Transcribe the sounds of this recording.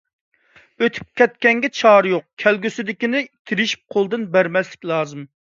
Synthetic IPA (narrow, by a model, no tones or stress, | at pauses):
øt̪ʰy̥p̚kʲʰɛt̪̚kʲɛŋɡʲɛt͡ʃʰɑːɾjoq̚kʲʰɛlɡʲysɪd̪ɪkʲinɪt̪ʰiɾɪʃi̥p̚qʰolˠd̪ɨnbæɾmɛslɪkʲlˠɑːzɨm